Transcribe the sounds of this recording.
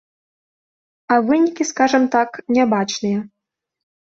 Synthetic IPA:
avɨnʲikʲiskaʐɨmt̪aknʲabat͡ʂnɨjɛ

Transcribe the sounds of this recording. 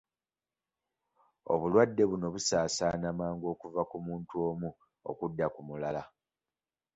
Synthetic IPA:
o̞̰βulwadːe̞βuno̞βusaːsaːnamaːŋɡo̞ːkuvakumuːntuo̞ːmu | o̰kudːakumulala

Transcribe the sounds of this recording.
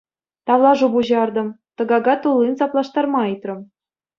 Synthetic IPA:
t̪ɑlˠɑʐubuʑɑrd̪ɤ̆mt̪ɤ̆ɡɑɡɑt̪ulˠːinsɑplˠɑʂt̪ɑrmɑit̪rɤ̆m

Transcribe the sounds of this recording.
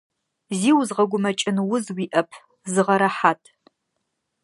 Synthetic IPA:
ziːwzʁɐɡʷʊmɐt͡ʃʼɪnwʊzwiːʔɐpʰ | zɨʁɐɾɐħaːtʰʼ

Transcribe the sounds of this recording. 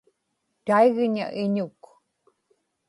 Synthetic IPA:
t̪aiɣɲa̰ʔɪɲuk

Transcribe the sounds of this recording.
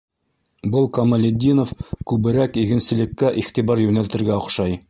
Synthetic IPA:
bɤlˠkɐmɐlʲɪd̪ʲːinofkʉβɘ̆ɾækiɡɘ̆nsɘ̆lɘ̆kːæʔiχt̪iβɑɾjʉnælt̪ɘ̆ɾɡæŏqʃɑj

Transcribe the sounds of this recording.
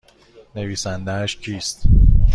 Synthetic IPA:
ne̞viːsænd̪ææʃcʰiːst̪

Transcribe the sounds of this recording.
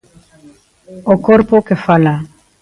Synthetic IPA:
okoɾpokefala

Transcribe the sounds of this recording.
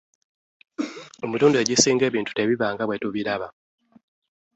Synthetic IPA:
o̞mutuːndue̞ɟisiːŋɡe̞ːβiːntu̥te̞βiβaːŋɡaβwe̞tuβiɾaβa

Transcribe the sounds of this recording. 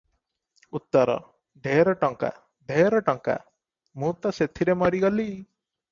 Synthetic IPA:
ut̪ːɔɾɔ̰ | ɖʱeɾɔʈɔŋka̰ | ɖʱeɾɔʈɔŋka̰ | mũt̪ɔset̪ʰiɾemɔɾiɡɔli

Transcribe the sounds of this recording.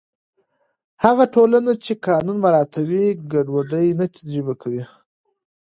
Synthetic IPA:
haɣaʈolanat͡ʃekɑnunmaɾɑt̪ʰawiɡaɖwaɖəjnat̪ʰad̪ɾibakʰawi

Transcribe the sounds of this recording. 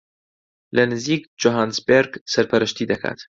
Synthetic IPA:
lɐnɨziːk̚d͡ʒoɦaːnsbeɾɡsɐɾpʰɐɾɨʃt̪iːd̪ɐkʰa̰ːt̪

